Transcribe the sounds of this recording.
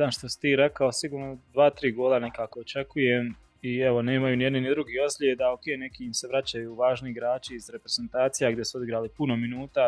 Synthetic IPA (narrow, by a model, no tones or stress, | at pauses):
anʃt̪osi̥t̪iːɾe̞kaosiɡuːɾnod̪ʋaːt̪ɾiːɡoːlane̞kaːkoot͡ʃe̞kujem | iɛʋo̞ne̞ːmajunijed̪ninid̪ɾuɡiːo̞zʎʲeːd̪aokejne̞kiimse̞ʋɾat͡ɕajuːʋaːʒniiɡɾaːt͡ʃiːzɾe̞pɾez̥ent̪aːt̪sijaɡd̪jesuod̪iɡɾaːlipuno̞minuːt̪a